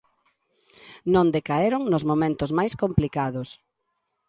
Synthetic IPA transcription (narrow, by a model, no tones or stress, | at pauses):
nõnd̪ekaeɾoŋnʊzmomẽnt̪ʊzmajskomplikaðʊs